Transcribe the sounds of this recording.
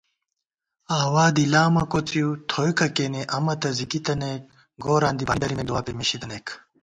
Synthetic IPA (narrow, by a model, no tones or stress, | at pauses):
aːwaːd̪ilaːmɐkot͡sijut̪ʰojkɐkeneʔɐmɐt̪ɐzikit̪ɐnek̚ | ɡoːɾãːnd̪ibɐnd̪ɐɾimeluwaːpemiɕid̪ɐnek